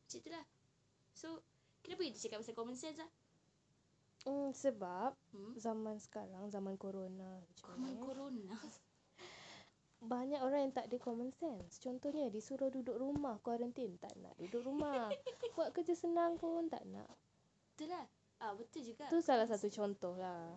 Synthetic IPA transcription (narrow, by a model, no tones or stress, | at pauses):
t͡ʃit̪ulah | so | kit̪apəɡit̪it͡ʃakat̚p̚asakɔmənsɛnslah | səbap̚zamansə̥kaɾaŋzamankoɾonaət͡ʃkamankoɾona | baɲakoɾaŋjaŋt̪aʔdəkɔmənsɛnst͡ʃɔnt̪ɔhɲədisuɾʊhdudʊk̚rumahkwaɾənt̪int̪a̰ʔna̰ʔdudʊkrumahwaʔkəd͡ʒəsənaŋkont̪a̰ʔna̰ʔ | bət̪ʊlah | ʔabət̪ʊld͡ʒuɡat̪usalahsat̪ut͡ʃɔnt̪ɔhlah